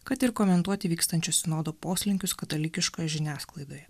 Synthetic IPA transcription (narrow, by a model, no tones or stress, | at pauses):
kɐt̪ɪɾkɔːmʲɛnt̪uɔt̪ʲɪʋʲiːkst̪ɐnʲt͡ʃʲosʲɪnoːd̪oːpoːsʲlʲɪŋʲkʲʊskɐt̪ɐlʲɪkʲɪʃkoːjɛʒʲɪnʲæːsklˠɐɪd̪oːjɛ